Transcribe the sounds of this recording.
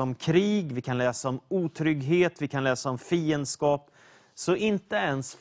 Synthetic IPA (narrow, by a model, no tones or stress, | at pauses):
ɔmkʰɾiːɡvɪkʰanlɛːsaɔmuːt̪ʰɾʏɡɦeːt̪vɪkʰanlɛːsaɔmfiːənd̪skɑːp | sɔʔɪnt̪əɛnsf